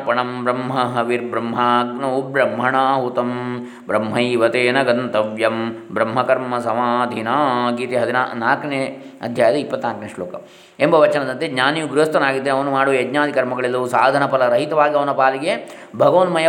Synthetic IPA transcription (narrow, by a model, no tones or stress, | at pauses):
pɐɳɐmbɾɐmɦɐɦɐʋiɾbɾɐmɦaːɡnɐubɾɐmɦɐɳaːɦut̪ɐm | bɾɐmɦɐiʋɐt̪eːnɐɡɐnt̪ɐʋjɐmbɾɐmɦɐkɐɾmɐsɐmaːd̪ʱinaːɡiːt̪iɦɐd̪inanaːkɐneː | ɐ̰d̪ʱjaːjɐd̪ɐipːɐt̪ːnaːkɐneːʂloːkɐ | embɐʋɐt͡ʃɐnɐd̪ɐnt̪edɲaːnijuɡɾuɦɐst̪ɐnaːɡid̪ːeːneɐʋɐnumaːɽuʋɐjeɡɲaːd̪ʱikɐɾmɐɡɐɭelːusaːd̪ʱɐnɐpɐlɐɾɐɦit̪ɐʋaːɡiɐʋɐnɐpaːliɡebʱɐɡɐʋɐnmɐjɐ